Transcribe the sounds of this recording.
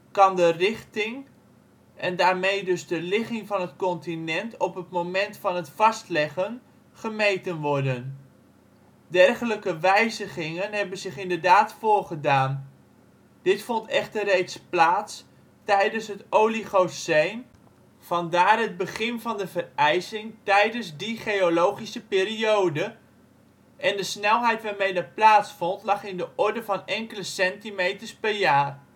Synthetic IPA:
kɑndərɪχtɪŋ | ʔɛndaːɹmejdɵzdəlɪχɪŋvɑnɦətkɔntinɛntɔpɦətmomɛntfɑnɦətfɑstlɛχən | χəmejtənʋɔrdən | dɛrχələkəʋɛjzəχɪŋənɦɛbənzɪχɪndərdaːtfʊːɹχədaːn | d̥ɪtfɔntɛχtərrejtsplaːts | tɛjdənsɦətowliχosejn | v̥ɑndaːrɦəd̚bəχɪnvɑndəvərɛjsɪŋtɛjdənzdiχejolowχisəpɪːriowdə | ʔɛndəsnɛlˠɦɛjtʋaːɹmejdɑt̚plaːtsfɔntlɑχɪndəʔɔɹdəvɑnɛŋkələsɛntimejtəɹspɛrjaːr

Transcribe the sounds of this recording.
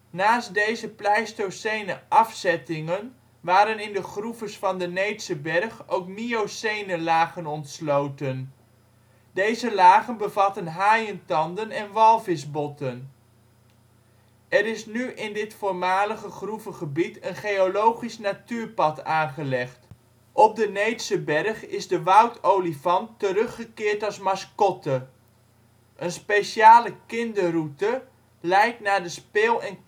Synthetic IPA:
naːstdejzəplɛjstowsejnəʔɑfsɛtɪŋən | ʋaːɾənɪndəχruvəsfɑndənejtsəbɛrχowk̚miosejnəlaːχənɔntslowtən | dejzəlaːχənbəvɑtənɦaːjəntɑndənɛnʋɑlˠvɪsbɔtən | ɛɾɪsnyʔɪndɪtfoːɹmaːləχəχruvəχəbitənχejolowχisnatyːɹpɑtaːnχəlɛχt | ʔɔb̚dənejtsəbɛrχɪzdəʋʌwtowlivɑntəɾɵχəkɪːɹtɑsmɑskɔtə | ʔənspejʃjaːləkɪndərutə | lɛjk̚tnaːɹdəspɪːlˠɛn

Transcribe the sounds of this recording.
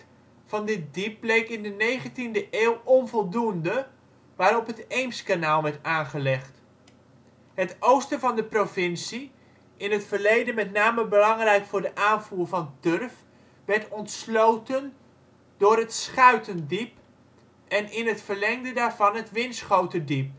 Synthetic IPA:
vɑndɪt̚dip̚blejkɪndənejχəntindəʔeːwˠɔnvɔlˠdundə | ʋaːɾɔpɦətejmskanaːlˠʋɛɹtaːnχəlɛχt | ɦətʔowstəvɑndəprovɪnsi | ɪnɦətfəɹlejdənmɛtnaːməbəlɑŋrɛjkfʊːɹdəʔaːnvuːɹvɑndørf | ʋɛɹtɔntslowtən | dʊːrɦətsχœɥtəndip | ɛnɪnɦətfərlɛŋdədaːɹvɑnɦətʋɪnsχowtədip̚

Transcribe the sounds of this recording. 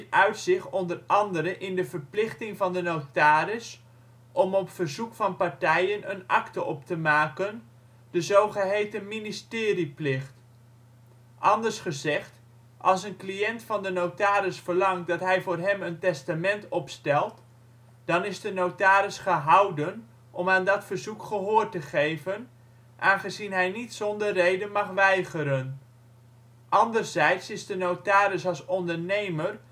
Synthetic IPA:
tœɥtsɪχɔndərɑndəɾəʔɪndəvərplɪχtɪŋvɑndənowtaːɾɪs | ʔɔmɔpfərzukfɑnpaɹtɛjənənɑ̰ktəʔɔptəmaːkən | d̥əzowχəɦejtəministɪːriplɪχt | ʔɑndərsχəzɛχt | ʔɑlˠsənklijɛntfɑndənowtaːɾɪsfəɹlɑŋt̚dɑtɦɛjvoːrɦɛməntɛstamɛntɔpstɛlˠt | d̥ɑnɪzdənowtaːɾɪsχəɦɑwdən | ʔɔmaːndɑtfərzukχəɦoːrtəχejvən | ʔaːnχəzinɦɛjnitsɔndərrejdənmɑχʋɛjχəɾən | ʔɑndərzɛjtsɪzdənowtaːɾɪsɑlˠsɔndəɹnejmər

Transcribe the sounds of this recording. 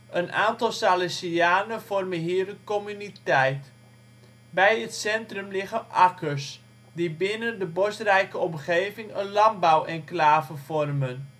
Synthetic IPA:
ʔəna̰ːntɑlˠsaːlɛsiaːnəfɔrmənɦiːərəkɔmynitɛjt | bɛjətsɛntrɵmlɪχənɑkəs | dibɪnəndəbɔstrɛjkəɔmχeːvɪŋənlɑmbawʔɛnklaːvəfɔrmən

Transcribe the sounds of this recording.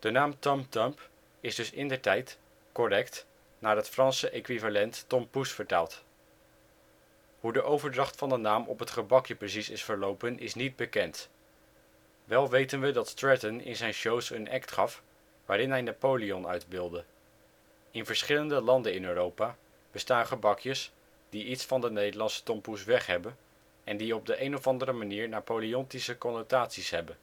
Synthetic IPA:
d̥ənaːmtɔmtɔmp | ɪzdɵsɪ̰ndəɹtɛjt | kɔrɛkt | naːɹɦətfrɑnsəʔejkʋivalɛntːɔmpusfəɹta̰ːlˠt | ɦudəʔowvəɹdrɑχtfɑndənaːmʔɔpɦətχəbɑkjəprəsisɪsfəɹlowpənʔɪsnid̚bəkɛnt | ʋɛlˠʋejtənʋədɑtstɹɛtənɪ̰nzɛjnʃowsənɛ̰ktχɑf | ʋaːɾɪnɦɛjnaːpowliɔnœ̰ɥdbɪlˠdə | ɪnvəɹsχɪləndəlɑndəɪnøːrowpaː | b̥əstaːnχəbɑkjəs | d̥iitsfɑndənejdəɹlɑnsə̥tɔmpusʋɛχɦɛbən | ɛndiɔb̚dəʔejnɔfɑndəɾəmaniːɹnapowliɔntisəkɔnotaːtsisɦɛbən

